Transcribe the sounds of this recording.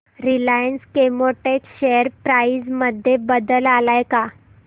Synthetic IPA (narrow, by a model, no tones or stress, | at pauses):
ɾilajənskemoʈekɕejəɾpɾaid͡zməd̪ʱːjebəd̪əlalajka